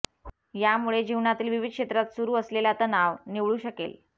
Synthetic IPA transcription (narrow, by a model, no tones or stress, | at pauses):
jamuɭed͡ʑiʋɳat̪iːlʋiʋid̪̚kʂet̪ɾat̪suɾuːəslelat̪ənaʋniʋɭuːɕəkḛl